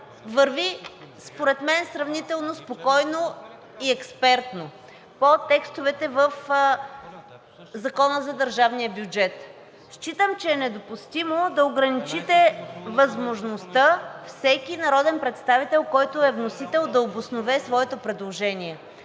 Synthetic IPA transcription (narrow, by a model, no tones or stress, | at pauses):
vəɾvispoɾɛt̪mɛnsɾɐvnit̪ɛlˠnospokɔjno | iɛkspɛɾt̪no | pot̪ɛkst̪ovɛt̪ɛvəf | zɐkɔnəzɐd̪əɾʒavnijəbjud͡ʒɛt̪ | ʃt͡ʃit̪əmt͡ʃɛːnɛd̪opust̪imod̪ɐoɡɾɐnit͡ʃit̪ɛvɐzmoʒnost̪əfsɛkinɐɾɔd̪ɛnpɾɛt̪st̪avit̪ɛlˠkɔjt̪ʊɛvnosit̪ɛlˠd̪ɐobʊsnovɛsvɔɛt̪opɾɛd̪lˠoʒɛnʲiɛ